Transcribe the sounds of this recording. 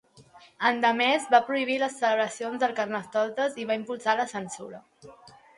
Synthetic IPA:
ənd̪əmɛzβapɾuiβ̞iləsːələβɾəsionzðəlˠkərnəst̪ɔt̪əziβaimpulˠsaləsənsuɾə

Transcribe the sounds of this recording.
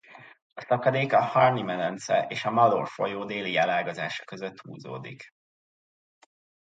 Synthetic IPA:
ɒsɒkɒd̪eːkɒhɒrnimɛnɛnt̪sɛʔeːʃɒmɒlo̰rfo̞̰joːd̪eːliɛlaːɡozaːʃɒ̥kø̞zøt̪hṵːzo̰ːd̪ik

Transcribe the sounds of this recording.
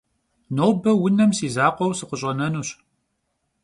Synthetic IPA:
noːwbɐwʊnɐmsiːzaːqʷɔwsɨqəɕʼɐnɐnuːɕ

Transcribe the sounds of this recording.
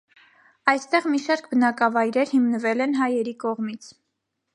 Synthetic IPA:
ɑjst̪ɛʁmiʃɑɾkbənɑkɑvɑjɾɛɾhimnəvɛlɛnɦɑjɛɾikɔʁmit͡sʰ

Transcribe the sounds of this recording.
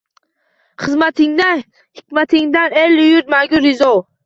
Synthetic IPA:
χɨzmat̪ʰɪŋd̪an | hɪkʲmat̪ʰɪŋd̪anelʊjʊɾd̪maɡʲʊɾɪzɔw

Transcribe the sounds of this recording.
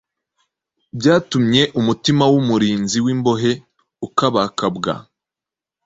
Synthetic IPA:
bɟaːtumɲe̞ʔumutimawumuɾiːnziwimbo̞ɦe̞ | ukaβakabɡa̰

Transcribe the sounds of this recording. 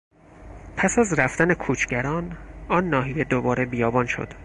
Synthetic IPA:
pʰæsæzræft̪æne̞kʰuːt͡ʃʰɟæɾɒːnɒːnːɒːɦije̞d̪obɒːɾe̞bijɒːbɒːnʃo̰d̪̥

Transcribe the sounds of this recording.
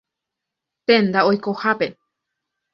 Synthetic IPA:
p̪ẽnd̪aojkohape

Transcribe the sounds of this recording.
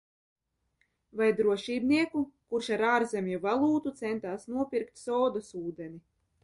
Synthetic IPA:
vajd̪ɾuɔʃiːbniɛkukuɾʃaɾaːɾzemʲjuvalˠuːt̪ut̪sɛnt̪aːsnuɔpʲiɾkt̪sɔːd̪ɔsuːd̪ɛni

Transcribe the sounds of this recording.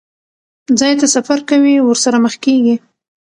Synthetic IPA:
d͡zɑjt̪asafaɾkawiwəɾsaɾaməxkeɡi

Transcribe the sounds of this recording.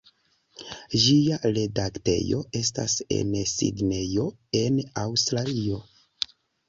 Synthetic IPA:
ʒiaɾe̞dakte̞̰jo̞̰e̞sta̰se̞̰nsḭdne̞jo̞ | e̞nawstɾalio̞

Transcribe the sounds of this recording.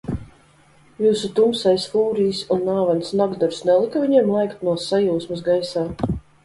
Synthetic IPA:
juːsut̪umsajsfuːɾiːsunːaːvansnaɡd̪ɔɾsnɛlˠikaviɲiɛmlˠajkt̪nuɔsajuːsmɨs̬ɡajsaː

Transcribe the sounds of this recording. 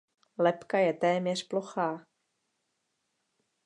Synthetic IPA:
lɛpkajɛt̪ɛːmɲɛr̥ploxaː

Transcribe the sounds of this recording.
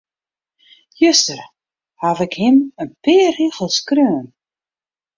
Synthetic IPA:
jøstər | havɪkhɪmənpɪːriɣəlˠskrøːn

